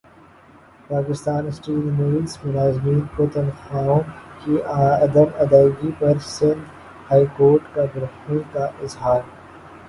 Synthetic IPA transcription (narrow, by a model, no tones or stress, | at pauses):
paːkɪst̪aːnsʈiːlmoʋismʊnaːzmiːnpot̪ənxaːõmkiɐd̪əmɐd̪aːɡipɐɾsɪ̃nd̪ | haːikoːɾʈkabɪɾɐxnekaʔɪzɦaːɾ